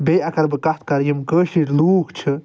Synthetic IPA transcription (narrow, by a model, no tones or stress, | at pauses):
beːɐkɐɾbɨkɐt̪̚ʰkɐɾjimkəːʃiʈʲluːkt͡ʃʰɨ